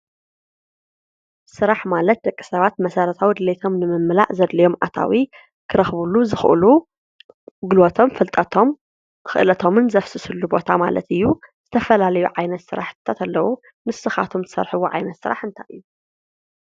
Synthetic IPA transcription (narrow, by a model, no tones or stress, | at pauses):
sɨɾaħmalɐt̪̚d̪ɐkʼːi̥sɐβat̪̚mɐsɐɾɐt̪ʰawid̪ɨlet̪ʰo̞mnɨmɨmːla̰ʔzɐd̪lɐjo̞mʔa̰t̪ʰa̰wi | kʰɨɾɐxβuluzɨxʔlu | ɡɨlot̪ʰo̞mfɨlt̪ʼɐt̪ʰom | xɨ̰ʔlɐt̪ʰo̞mɨnzɐfsɨsɨlːubo̞t̪ʰama̰lɐ̰t̪ɨjːuz̥ɨt̪ʰɐfɐlalɐjuʕajnɐt̪sɨɾaħt̪ʰat̪ʰalːɐwu | mɨsɨxa̰t̪ʰo̞mt̪ʰɨsɐ̰ɾħɨwuʕa̰jnɐt̪sɨɾʔa̰ħɨnt̪ʰaʔɨjːu